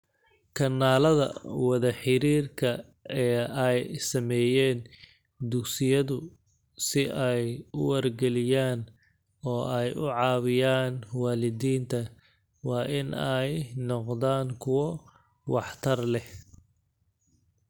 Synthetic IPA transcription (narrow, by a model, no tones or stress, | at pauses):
kʰɐnːaːlɐðɐ̰wɐðɐħɪɾiːrkʰɐ | ɛːɛjsɐmɛːjɛːn | d̪ʊksɪjɐðʊ | sɪʔɛjʊwɐrɡɛlɪjaːn | ɔːʔɛjʔʊʕɑːβɪjaːnwɑːlɪdiːnt̪ʰɐ | wɑːʔɪnʔɛjnɔqðaːŋkʰʊwɐ | wɑħt̪ʰɐrlɛh